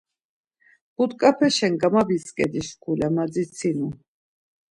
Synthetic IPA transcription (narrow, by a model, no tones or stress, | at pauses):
χut̪kʼapʰɛʃɛŋɡamabiskʼɛd̪iʃkʰulɛmad͡zit͡sʰinu